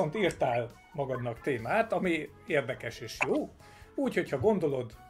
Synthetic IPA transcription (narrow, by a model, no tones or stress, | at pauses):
ont̪iːrt̪aːl | mɒɡɒd̪nɒkt̪eːmaːt̪ɒmi | eːrd̪ɛkɛʃeːʃjoː | uːcho̞chɒɡo̞nd̪o̞lo̞d̪